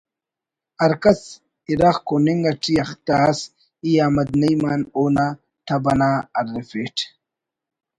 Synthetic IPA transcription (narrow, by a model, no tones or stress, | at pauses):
ɐɾkɐs | iɾaχkoniŋɡɐʈ͡ʂijɐχt̪aːs | ijaːmɐd̪nɐjmaːnoːna | t̪ʰɐbɐnaɐɾːefeʈʰ